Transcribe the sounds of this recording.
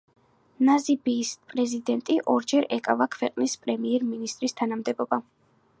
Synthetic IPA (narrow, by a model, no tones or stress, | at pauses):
nazibiːspʼɾɛzid̪ɛnt̪ʼiʔɔɾd͡ʒɛɾɛkʼavakʰvɛqʼnispʼɾɛmiɛɾminist̪ʼɾist̪ʰanamd̪ɛbɔba